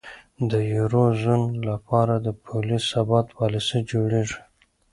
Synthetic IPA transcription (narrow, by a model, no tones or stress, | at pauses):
d̪əjuɾozunlapɑɾad̪əpʰolisabɑt̪wɑlɪsid͡ʒoɽeʐi̥